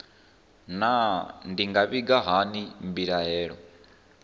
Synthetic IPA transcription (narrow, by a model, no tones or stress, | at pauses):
nandiŋɡaβiɡaɦanimbiɺaɛːɺɔ